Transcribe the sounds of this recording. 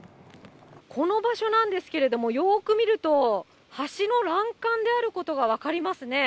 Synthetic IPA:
kʰo̞no̞baɕo̞nãnd̪e̞sɨ̥ke̞ɾe̞d̪o̞mo̞jo̞ːkɯ̟mʲiɾɯ̟t̪o̞ | haɕino̞ɾãŋkãnd̪e̞aɾɯ̟ko̞t̪o̞ɡaβ̞akaɾʲimasɨne̞

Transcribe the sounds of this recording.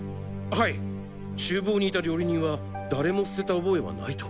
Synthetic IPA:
hai | t͡ɕɨːbo̞ːɲ̟iːt̪aɾʲo̞ːɾʲiɲ̟ĩβa | d̪aɾe̞mo̞sɨ̥se̞t̪aobo̞e̞βa̰nait̪o̥

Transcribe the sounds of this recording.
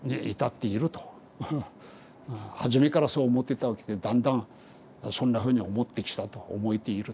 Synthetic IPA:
ɲiḭt̪at̪ːeiɾɯ̟t̪o̥ | haʑime̞kaɾasoːmot̪ːet̪aake̥t̪ed̪ãnd̪ãŋ | sõnːaɸɯɲ̟iomot̪ːekʲi̥t̪at̪o̰ːmoit̪eiɾɯ

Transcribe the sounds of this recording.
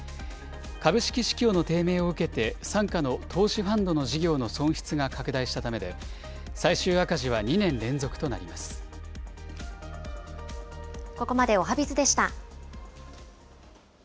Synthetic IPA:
kabɯ̟ɕi̥kʲiɕi̥kʲo̞ːno̞t̪e̞ːme̞ːo̞ɯ̟ke̞t̪e̞sãŋkano̞t̪ʰo̞ːɕiɸãnd̪o̞no̞ʑiɡʲo̞ːno̞sõ̞ɰ̃çi̥t͡sɨɡakakɯ̟d̪aiɕi̥t̪at̪ame̞d̪e̞̰ | saiɕɨːakaʑiβ̞aɲ̟inẽ̞nɾẽ̞nd͡zo̞kɯ̥t̪o̞na̰ɾʲimasɨ̥ | koko̞mad̪e̞o̞ɦabʲit͡sɨd̪e̞ɕi̥t̪a

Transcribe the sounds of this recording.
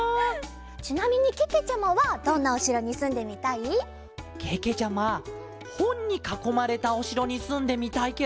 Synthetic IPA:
t͡ɕinamʲiɲ̟ikeke̞t͡ɕamaβad̪õ̞nːaoɕiɾo̞ɲ̟isɨ̃nd̪e̞mʲit̪ai | kʰeke̞t͡ɕama | hõ̞ɲ̟ːikako̞maɾe̞t̪ao̞ɕiɾo̞ɲ̟isɨ̃nd̪e̞mʲit̪aike

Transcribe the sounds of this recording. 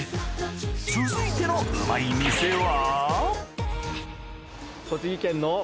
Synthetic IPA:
sizɨit̪e̞nomaimʲisewa | kot͡ɕɨɡʲikẽ̞nːo

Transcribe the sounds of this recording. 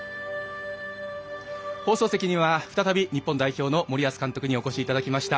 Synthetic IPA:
ho̞ːso̞ːse̞kʲiɲ̟iβaɸɯ̟t̪at̪abʲiɲ̟ipːõ̞nd̪aiço̞ːno̞mo̞ɾʲiasɨ̥kãnt̪o̞kɯ̟ɲ̟io̞ko̞ɕiːt̪ad̪akʲimaɕi̥t̪a

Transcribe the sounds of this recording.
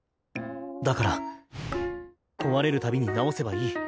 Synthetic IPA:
d̪akaɾa | kʰo̞βaɾe̞ɾɯ̟t̪abʲiɲ̟inao̞se̞baiː

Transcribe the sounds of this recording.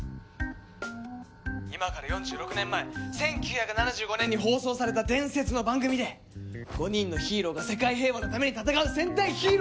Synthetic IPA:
imakaɾajõ̞ɲ̟d͡ʑɨːɾo̞kɯ̟nẽ̞mːaesẽ̞ŋkʲɨːçakɯ̟nanaʑɨːɡo̞ne̞ɲ̟ːiɦo̞ːso̞ːsaɾe̞t̪ad̪ẽ̞ɰ̃se̞t͡sɨno̞bãŋɡɯ̟mʲid̪e̞ | ɡ̥o̞ɲ̟ĩnːo̞çiːɾo̞ɡase̞kaiɦe̞ːβano̞t̪ame̞ɲ̟it̪at̪akaɯ̟sẽ̞nt̪aiçiːɾo

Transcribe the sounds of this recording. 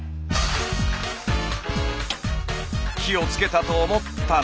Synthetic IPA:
kʲiot͡sɨ̥ke̞t̪at̪oːmot̪ːa

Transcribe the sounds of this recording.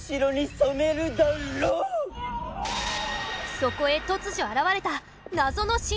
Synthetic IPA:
ɕiɾo̞ɲ̟isome̞ɾɯ̟d̪aɾoː | so̞ko̞e̞t̪o̞t͡sɨʑo̞aɾaβaɾe̞t̪a | nazo̞no̞ɕĩ

